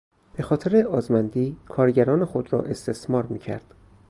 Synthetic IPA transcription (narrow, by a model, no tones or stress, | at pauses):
b̥e̞xɒːt̪ʰeɾeɒːzmænd̪iːkʰɒːɾɟæɾɒːne̞xod̪ɾɒ̰ːʔe̞st̪ʰe̞smɒːɾmiːcʰæ̰ɾd̪̥